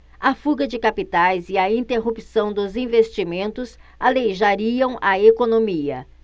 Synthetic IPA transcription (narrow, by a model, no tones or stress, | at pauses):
ɐfuɡɐd͡ʒɪkapit̪ajzɪɐĩnt̪eɦupisɐ̃w̃d̪ʊzĩvest͡ʃimẽnt̪ʊsalejʒaɾiɐ̃w̃ʔɐekonomiɐ̰